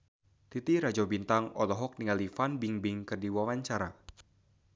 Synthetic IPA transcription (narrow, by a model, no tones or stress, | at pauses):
t̪it̪iɾad͡ʒɔbint̪aŋɔlɔɦɔk̚niŋalifanbiŋbiŋkɨrdiwawaɲt͡ʃaɾa